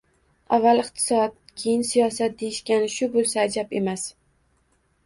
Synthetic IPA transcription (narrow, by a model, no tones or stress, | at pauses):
avːalɪqt̪ʰɪ̥sɒd̪̚kʲʰejɪnsijɒsat̪̚d̪ejɪʃkʲanɪʃʊbolˠsaːd͡ʒabe̞mas